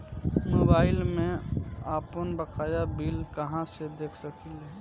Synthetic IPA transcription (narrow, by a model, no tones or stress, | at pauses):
moːbaːɪlmẽaːpənbəqaːjabiːlkəɦãsed̪eːkʰsəkilɛ